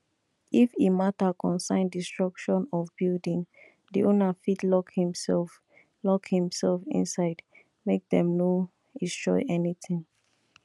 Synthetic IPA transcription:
ifematakʰɔ̃nsãɪ̃ndistɹɔkʃɔ̃nɔfbildĩŋ | diʔonafitlɔkhĩmsɛlf | lɔkhĩmsɛlfḭ̃nsaɪd | mek̚dɛ̃mno | istɹɔ̰ɪʔɛnitʰĩŋ

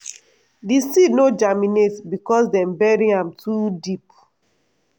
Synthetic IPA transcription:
disidnod͡ʒaminetbikɔsdɛ̃mbɛɹĩãmtʰudip

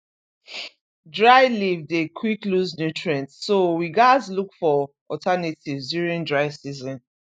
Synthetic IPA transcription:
dɹaɪlivdekʰwikluznjutʰɹɛ̃ntsowiɡazlukfɔ | ɔtʰanetivzdjuɹĩndɹaɪsizɔ̃n

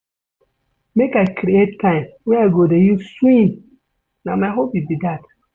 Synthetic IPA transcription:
mekakɾiettãɪ̃mweaɡodejuswĩn | namaɦobibidat

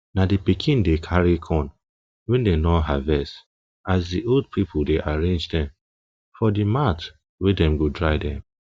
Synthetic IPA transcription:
nadipikʰĩndekʰaɹikʰɔ̃n | wɛ̃ndenɔɦavɛst | azdiʔold̚pʰipʰoldeʔaɹẽnd͡ʒdɛ̃m | fɔdimat | wedɛ̃mɡodɹaɪdɛ̃m

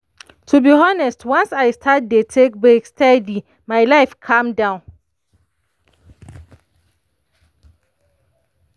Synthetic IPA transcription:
tʰubiɔnɛstwɔ̃nsajstʰat̚detʰek̚bekstʰɛdi | maɪlaɪfkʰãmdãʊ̃n

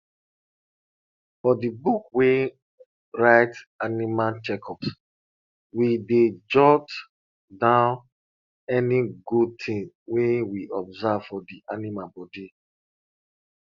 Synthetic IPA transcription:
fɔdibukwe | ɹaɪtanimat͡ʃɛkʰɔps | wided͡ʒɔt | dãʊ̃n | ɛniɡud̚tʰĩŋ | wewiʔɔbzav̥fɔdiʔanimabɔdi

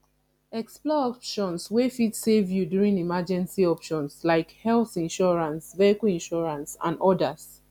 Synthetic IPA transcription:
ɛksplɔɔpʃɔ̃nswefitsevjudjuɹĩnimad͡ʒɛ̃nsiɔpʃɔ̃nslaɪkhɛlˠθĩnʃɔɹãnsvɛkuĩnʃɔɹãnsã̰nɔdəs

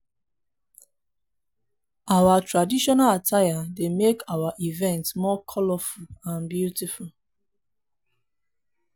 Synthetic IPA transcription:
ʔawatʰɹadiʃɔnalatʰaɪjademekʰawaʔivɛ̃ntsmɔkʰɔlɔfulãnbjutiful

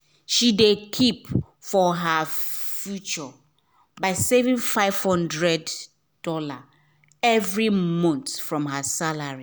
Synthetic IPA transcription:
ʃidekʰip | fɔɦəfjut͡ʃɔ | baɪsevĩŋfaɪv̥hɔ̃ndɹɛd | d̥ɔla | ɛvɹimɔ̃nt̪fɹɔ̃mɦasalaɹi

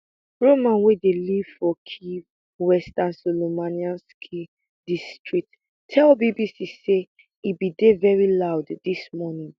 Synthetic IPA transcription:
ɹomãnwedelivfɔkʰi | wɛstãnsolomaniãnskʰi | distɹik̚t | tʰːɛlbibisise | ibidevɛɹilaʊdːismɔnĩn

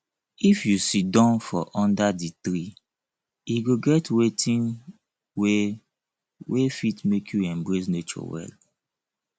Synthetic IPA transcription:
ifjusidãnfɔ̰ʔɔ̃ndadit̪ɾi | iɡoɡɛtwetʰĩn | we | wefitmekʰjuɛ̃mbɾes̬net͡ʃɔ̰wɛ̰l

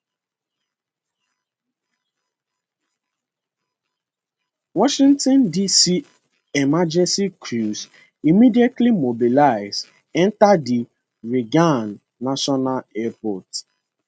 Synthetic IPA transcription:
wɔʃĩntɔndisi | emad͡ʒɛ̃nsikʰɾuz | imidietlimobilaɪz | ɛ̃n̩tadi | ɾiɡanː | aʃɔnalɛpɔt

